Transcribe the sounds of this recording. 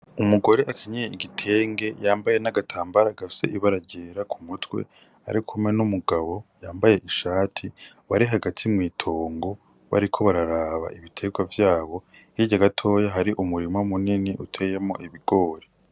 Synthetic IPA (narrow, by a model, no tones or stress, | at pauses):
umuɡo̞ɾeʔakʰiɲejeiɡitʰe̞ːŋɡe̞jaːmbaje̞naɡatʰaːmbaɾaɡafi̥se̞̰ʔiβaɾaɟeːɾakʰumutwe̞̰ | a̰ɾikʰumŋenumuɡaβo̞jaːmbaje̞ʔiʃaːtʰi | βaɾiɦaɡatʰimŋiːtʰo̞ːŋɡo̞ | βa̰ɾikʰo̞βaɾaɾaβa̰ʔiβitʰe̞ɡwavjaːβo̞hiɟaɡatʰo̞jaɦaɾiʔumuɾimomuniniʔutʰeːjemo̞̰ʔiβiɡ̥o̞ːɾe